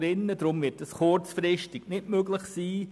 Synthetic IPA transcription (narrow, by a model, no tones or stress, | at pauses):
ɾɪnːədɾʊmvɪt̚əsχʊɹt͡sfɾɪʃtɪɡ̥nɪtmøɡləχsiː